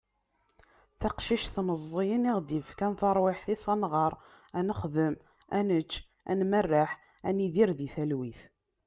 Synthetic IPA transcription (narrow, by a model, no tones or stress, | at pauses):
θɑqʃiʃθnəzˤːijəniʁd̪ifkænθɑɾˤwɪħθisˤɑnʁɑɾˤ | ænəχðəm | ænət͡ʃː | æ̰nmərːaħ | æniðiɾðiθælwiθ